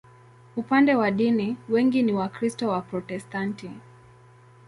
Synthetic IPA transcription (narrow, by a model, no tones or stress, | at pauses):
upandɛwaɗiniwɛŋɡiniwakɾistɔwapɾɔtɛstanti